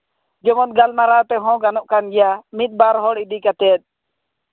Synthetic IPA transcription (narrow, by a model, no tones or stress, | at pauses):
d͡ʒɔmɔt̪̚ɡalmaɾat̪ɛɦɔ̃ɡanɔʔkanɡɛjamit̪̚ˀbaɾɦɔɽid̪ikat̪ɛt̪̚ˀ